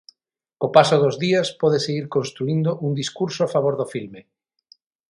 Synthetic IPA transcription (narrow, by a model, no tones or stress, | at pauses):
kopasoðozðiaspɔðeseɣiɾkõnst̪ɾuind̪oʔund̪iskuɾsoafaβoɾðofilme